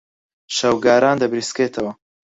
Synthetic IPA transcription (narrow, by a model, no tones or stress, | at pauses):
ʃɐwɡaːɾaːnd̪ɐbɾiskeːt̪ʰɐwɐ